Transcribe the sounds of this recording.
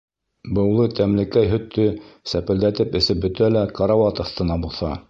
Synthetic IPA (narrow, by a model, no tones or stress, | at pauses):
bɤ̆wlˠɤt̪æmlɘ̆kæjɦɵ̆t̪ːɵsæpɘ̆ld̪æt̪ɘpɘ̆sɘp̚bɵ̆t̪ælækɑɾawɑt̪ɑ̆θt̪ɤ̆nɑbulˠθɑ